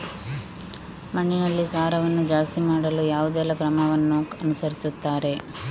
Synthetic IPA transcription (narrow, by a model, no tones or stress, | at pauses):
mɐɳːinɐlːisaːɾɐʋɐnːud͡ʒaːst̪imaːɽɐlujaːʋud̪elɐkɾɐmɐʋɐnːuɐnusɐɾisut̪ːaːɾe̞